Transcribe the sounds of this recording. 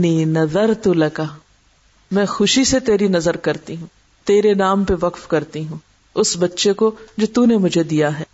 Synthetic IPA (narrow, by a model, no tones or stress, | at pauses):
niːnɐzəɾt̪ulɐkaː | mɛ̃ːxʊʃiset̪eːɾinɐzəɾkɐɾt̪iɦũː | t̪eːɾenaːmpeʋɐkfkɐɾt̪iɦũː | ʊsbɐtːʃekod͡ʒoːt̪unemʊd͡ʒʱed̪ijaɦɛː